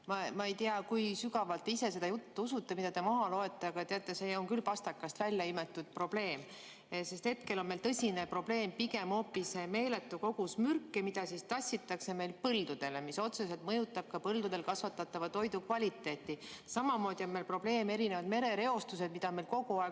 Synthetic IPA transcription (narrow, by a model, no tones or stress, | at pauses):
mɑmɑe̞jt̪iɑkujsyɡɑvɑlt̪ːˑeise̞se̞d̪ɑjut̪ːusut̪ːe̞mid̪̥ɑd̪e̞mɑɦɑlo̞e̞t̪ːˑeɑɡ̥ɑt̪eɑt̪ˑːeseonŋkylpɑst̪ɑkːˑɑst̪vælʲjɑime̞t̪ːˑud̪̥̚pro̞b̥le̞ːm | se̞st̪he̞t̪ke̞lo̞nme̞jlt̪ɤsʲinepro̞b̥le̞ːmpiɡe̞mo̞ːpːiseme̞ːle̞t̪ːˑuko̞ɡ̥usmyrkːˑemid̪̥ɑsist̪ɑsʲːit̪ːˑɑkse̞me̞jlpɤld̪ud̪̥e̞le̞miso̞t̪se̞se̞lt̪mɤjut̪ːˑɑb̥̚kɑpɤld̪ud̪̥e̞lkɑsvɑt̪ːˑɑt̪ːˑɑvɑt̪o̞jd̪ukvɑlʲit̪ːˑe̞ːt̪ːˑisɑmɑmo̞ːd̪̥io̞nme̞lpro̞b̥le̞ːmeɾine̞vɑd̪me̞ɾe̞ɾe̞o̞st̪use̞d̪̥mid̪̥ɑme̞lko̞ɡuɑe